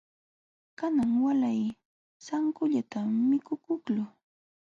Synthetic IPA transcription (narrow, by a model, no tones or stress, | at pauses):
kanaŋwalaj | saŋkʊʎat̪amɪkʊkʊklʊ